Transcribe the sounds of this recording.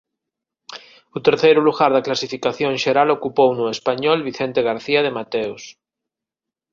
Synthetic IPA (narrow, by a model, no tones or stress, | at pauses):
ut̪eɾθejɾuluɣaɾðaklasifikaθjõŋʃeɾalokupownuespaɲɔlβiθent̪eɣ̞aɾθiað̞emat̪ews